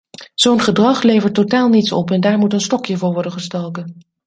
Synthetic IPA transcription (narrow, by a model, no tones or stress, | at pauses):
z̥ownχədrɑχlejvəɹtːotaːlˠnitsɔ̰pɛndaːɹmutənstɔkjəvʊːɹʋɔɹdənχəstɛlˠkən